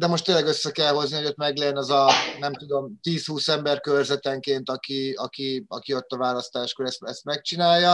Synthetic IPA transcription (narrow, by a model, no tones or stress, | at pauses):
d̪ɛmo̞ʃt̪eːnlɛɡøsːɛkɛlɦo̞znihoo̞t̪mɛɡlɛjɛnɛzɒnɛmt̪ud̪o̞mt̪iːshuːsɛmbɛrkørzɛt̪ɛŋkeːnt̪ɒkiɒkiɒkio̞t̪ːɒvaːlɒst̪aːʃkoɾɛst̪ɛst̪mɛk̚t͡ʃinaːjːɒ